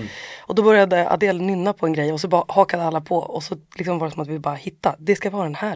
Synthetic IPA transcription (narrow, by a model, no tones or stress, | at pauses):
ʔɔd̪ɔbœɾjad̪əa̰d̪eːlanʏnːapʰɔɛnɡɾɛjːɔs̬ɔbhɑːkad̪əalːapʰɔɔsɔlɪksɔmvɑːɾɛsɔmat̪vɪlbɑːɾahɪt̪ːad̪ɛskavɪvɑːɾad̪ɛnhæː